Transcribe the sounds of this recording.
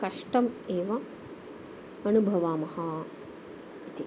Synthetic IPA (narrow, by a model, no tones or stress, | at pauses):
kɐʂʈɐmeːʋɐ | ɐnubʱɐʋaːmɐhɐ | it̪i